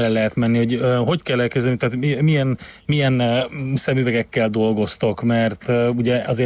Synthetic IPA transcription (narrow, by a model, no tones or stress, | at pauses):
lɛlːɛɦɛt̪mɛnːiho̞ɟøɦo̞ckɛlːɛlkɛzd̪ɛlnit̪aːt̪mimiɛn | mijɛnsɛmyvɛɡɛkːɛld̪o̞lɡo̞st̪o̞kmɛrt̪ːuɟɛɒzeː